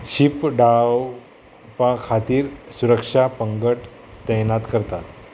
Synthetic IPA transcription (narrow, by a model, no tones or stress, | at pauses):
ɕipɖaw | pãkʰat̪iːɾsuɾəkʂapəŋɡəʈ | t̪əjnat̪kəɾt̪at̪